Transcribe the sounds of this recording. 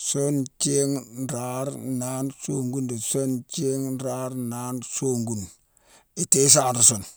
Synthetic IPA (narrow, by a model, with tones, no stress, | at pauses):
so˦nt͡ʃe˦ŋnɾa˦ɾna˦nso˦ŋɡu˦ndi˨so˦nt͡ʃe˦ŋn˦ɾa˦ɾna˦nsoː˦ŋɡu˨n | i˨te˦s̬a˦˨nɾu˨so˨n